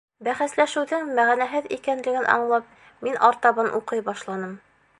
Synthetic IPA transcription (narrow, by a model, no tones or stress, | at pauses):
bæχæslæʃɘwðɘŋmæʁænæɦɘðḭkænlɘ̆ɡɘnʔɒ̰ɴlˠɑp̚ | minʔɒɾt̪ɑbɑnʔuqɤjbɒʃlˠɑnɤm